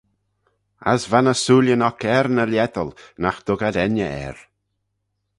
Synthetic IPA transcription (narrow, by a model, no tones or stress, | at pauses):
a̰svanəsuːljənɔkɛɾnəljɛt̪əlˠnaxd̪̥ʊɡad̪ɛnəɛ̰ɾ